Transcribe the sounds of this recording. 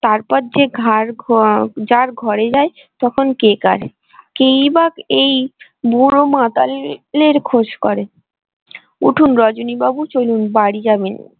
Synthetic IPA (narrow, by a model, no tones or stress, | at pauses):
t̪aɾpɔɾd͡ʑeɡʱaɾ | d͡ʑaɾɡʱɔɾed͡ʑae | t̪ɔkʰonkeka̰ɾ | kejbakej | buɾomat̪alleɾkʰod͡ʑkɔɾe | uʈʰunɾɔd͡ʑonibabut͡ɕojlunbaɽid͡ʑaben